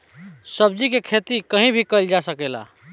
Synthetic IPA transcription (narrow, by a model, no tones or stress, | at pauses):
səb̚d͡ʒikekʰet̪ikəɦĩbʱikəld͡ʒasəkela̰